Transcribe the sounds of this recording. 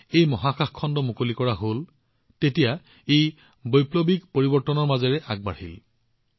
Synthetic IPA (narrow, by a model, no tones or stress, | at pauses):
ejmɔɦaxaxkʰːɔndɔmukolikɔɹaɦol | tetija | ej | bojplobikpoɹibɔɹtɔnɔɹmazɔɹɛʔaɡ̚ba̰ɹhḭl